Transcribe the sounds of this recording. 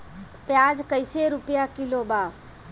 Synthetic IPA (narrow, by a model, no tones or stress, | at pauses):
pjaːd͡ʒkəɪseɾʊpjakɪlobaː